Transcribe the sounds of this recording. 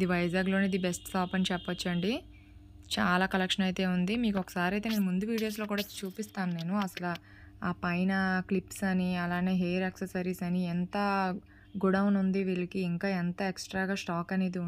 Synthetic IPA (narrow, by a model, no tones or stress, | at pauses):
id̪iʋɐjd͡ʒaːɡlo̞ːneid̪ibesʈsaːpɐnt͡ʃɛpːɐt͡ʃːɐɳɖi | t͡ʃaːlaːkɐlɐkʂɐnɐjt̪e̞ːund̪imiːkɔkɐ̥saːɾiɐjt̪eːneːnmund̪uʋiːɽijo̞ːslo̞ːkuːɽat͡ʃuːpist̪aːnune̞ːnuɐsɐlaː | aːpɐjnɐklipsɐniɐlaːne̞ːɦejɾɐksesɐɾiːsɐniɛnt̪ɐ | ɡuɽɐwnund̪iʋiːɭɐkiːŋkaːɛnt̪ɐeksʈɾaːɡaːsʈaːkɐne̞ːd̪i